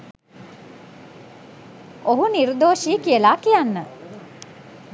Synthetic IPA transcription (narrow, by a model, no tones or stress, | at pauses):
oɦuniɾud̪oːʃiːkijəlaːkijanːə